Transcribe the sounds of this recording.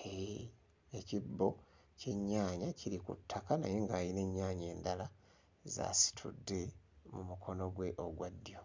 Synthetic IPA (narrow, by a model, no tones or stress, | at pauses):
e | ecibːo̞ | ce̞ɲːaːɲaciɾikṵtʰːakana̰jeŋɡaːjine̞ɲːaːɲe̞ːndala | za̰ːsi̥tʰṵdːe̞mumukʰo̞no̞ɡwe̞ʔo̞ɡwadːjo̞